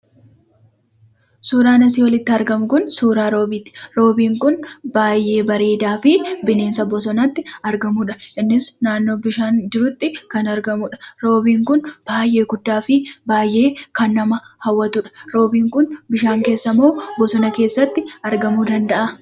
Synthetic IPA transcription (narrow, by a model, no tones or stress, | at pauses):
suːɾaːnɐs̬iːwɐlɪt̪ːɪɐɾɡɐmʊkʊnsuːɾaːɾo̞ːbiːt̪ːɪ̥ɾo̞ːbiːŋkʊnbaːjʔe̞ːbɐɾe̞ːd̪aːfɪbɪne̞ːnsɐbɔsɔnɐt̪ːɪɐɾɡɐmʊᶑɐʔɪnːɪsnaːnːo̞ːbɪʃaːnd͡ʒɪɾʊt̪ːɪkɐnɐɾɡɐmʊᶑɐ̥ɾo̞ːbiːŋkʊnb̥aːjʔe̞ːɡʊd̪ːaːfɪbaːjʔe̞ːkɐnːɐmɐhɐwːɐt̪ʊᶑɐ̥ɾo̞ːbiːŋkʊnbɪʃaːŋke̞ːsːɐmo̞ːbɔsɔnɐke̞ːsːɐt̪ːɪɐɾɡɐmuːd̪ɐnd̪ɐʔɐ